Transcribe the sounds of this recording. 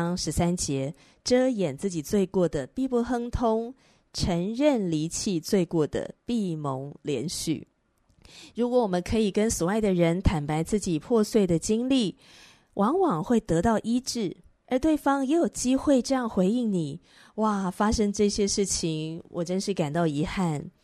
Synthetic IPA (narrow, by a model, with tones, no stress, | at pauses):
ŋʂɻ̩˧˥sa˦nt͡ɕjɛ˧˦ | ʈ͡ʂɤ˥jɛ˨˩nt͡sɹ̩˥˩t͡ɕi˨˩t͡swe˥˧ɪkwɔ˥˩d̪ə˩pi˥˧pu˥˩xɤ˥ŋt̪ʰʊ˥ŋ | ʈ͡ʂʰə˧˥ŋɻə˥˨nli˧˥t͡ɕʰi˥˧t͡swe˥˧ɪkwɔ˥˩d̪ə̰˩pi˥˩mo˧˦ŋljɛ˧˥nɕy̰˥˩ | ɻu˧˥kwɔ˧˥˦wɔ˨˩mə˦nkʰɤ˧˥i˨˩kə˥nswɔ˨˩a˥˩ɪd̪ə˩ɻə˧˦˥nt̪ʰa˨˩npa˧˥ɪt͡sɹ̩˥˩t͡ɕi˨˩pʰwɔ˥˧swe˥˩ɪd̪ə˩t͡ɕi˥ŋli˥˩ | wʔɑ˧˥ŋwɑ˨˩ŋxwe˥˩ɪt̪ɤ˧˥t̪ɑ˥˩ʊʔi˥ʈ͡ʂɻ̩˥˩ | ə˞˧˥t̪we˥˩ɪfɑ˥ŋjɛ˧˥jo˨˩ʊt͡ɕi˥xwe˥˩ɪʈ͡ʂɤ˥˧jɑ˥˩ŋxwe˧˥ɪi˥˩ŋni˨˩˦ | wa˥˩fa˥ʂɤ˥ŋʈ͡ʂɤ˥˩ɕjɛ˥ʂɻ̩˥˩t͡ɕʰi˧˥ŋwɔ˨˩ʈ͡ʂə˥nʂɻ̩˥˩ka˨˩nt̪ɑ˥˩ʊi˧˥xa˥˩n